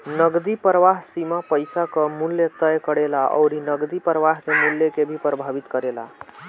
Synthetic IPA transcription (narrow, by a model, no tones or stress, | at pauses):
nəɡd̪ipɾəʋaɦsimapəjsakəmuljet̪əjkəɽelaʔə̰wɾinəɡd̪ipɾəʋaɦkemulːjekebʱipɾəbʱabit̪kəɾela̰